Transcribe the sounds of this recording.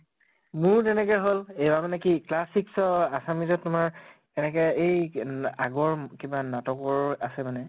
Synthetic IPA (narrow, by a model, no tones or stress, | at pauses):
mʊɹt̬ɛnɛkɛɦolejbamanɛkiklasiksɔasamizɔtːʊmaɹ | ɛnɛkɛejaɡɔɹkibanatɔkɔɹasɛmanɛ